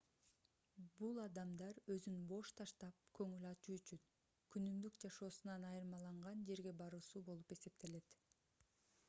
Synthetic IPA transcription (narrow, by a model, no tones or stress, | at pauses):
bulˠɑd̪ɑmd̪ɑɾø̞zynbo̞ʃt̪ʰɑʃt̪ɑp̚kʰø̞ŋylɑt͡ʃuyt͡ʃyn | kʰynymd̪ykd͡ʒɑʃo̞ːsunɑnɑjɯɾmɑlˠɑɴʁɑnd͡ʒe̞ɾɡe̞bɑɾuːsubo̞lˠupe̞se̞p̚t̪ʰe̞le̞t̪